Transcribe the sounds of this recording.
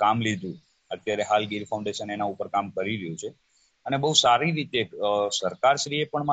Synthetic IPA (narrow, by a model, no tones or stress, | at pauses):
kamlid̪ʱũ | ət̪jaɾeɦalɡiɾfʰaw̃ɳɖeʃənenaupəɾkamkəɾiɾəjũt͡ʃʰe | ənebəusaɾiɾit̪esəɾkaɾʃɾiepəɳma